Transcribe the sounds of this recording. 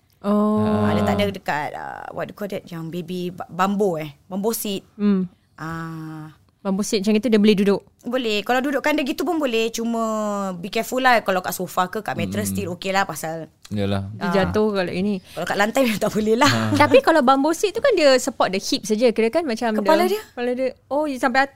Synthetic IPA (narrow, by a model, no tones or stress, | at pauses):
ʔoadət̪aʔdədəkat̪̚ə̰wʔa̰t̚dukɔdɛt̪̚jaŋbebibbamboɛhbambosit̪̚m̩m | ʔa | bambosit̚mt͡ʃaŋit̪udiəbolɛhdudʊʔ | bolɛhkalawdudʊʔkandəɡit̪upunbolɛht͡ʃumə̃bikɛfulahkalawkaʔsofakəkaʔmɛt̪ɾəst̪ilokelahpasal | jəlahdid͡ʒant̪ohkala̰ʔinikalawkaʔlant̪ajmit̪aʔbolɛhlat̪apikalawbambosit̪̚ːukandiəsəpɔt̪̚dəhit̪̚sad͡ʒəkiɾəkanmat͡ʃamədaladiəpaladəojəsampaja